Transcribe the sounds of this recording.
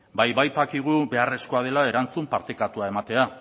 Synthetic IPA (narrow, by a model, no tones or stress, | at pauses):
bajβajt̪akiɣ̞ube̞are̞sko̞að̞e̞lae̞ɾant͡sumpaɾt̪ekat̪uae̞mat̪e̞a